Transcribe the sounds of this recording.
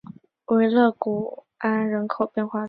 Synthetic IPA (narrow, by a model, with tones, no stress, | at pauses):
we˧˥ɪlɤ˥˩ku˨˩ | a˥nɻə˧˥nkʰo˨˩ʊpjɛ˥˧nxwa˥˩